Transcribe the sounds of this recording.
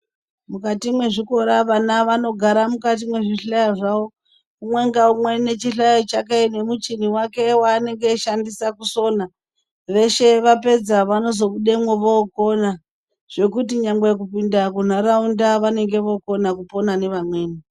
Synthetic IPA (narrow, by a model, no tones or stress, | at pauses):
mukatimwe̞ʐiko̞ɾaʋanaʋano̞ɡʱaɾamukat̬imwe̞ʐiɬajoʐao | kumwe̞ŋɡaumwe̞ne̞t͡ʃiɬajot͡ʃakaine̞mut͡ʃiniwake̞waːne̞ŋɡeʃandisakuso̞na | ʋe̞ʃe̞ʋape̞d͡zaʋano̞zo̞kuɗemweʋoko̞na | ʐ̥e̞kut̬iɲambejek̬upindakun̤aɾaundaʋane̞ŋɡe̞ʋo̞ko̞nakupo̞nane̞ʋamwe̞ːni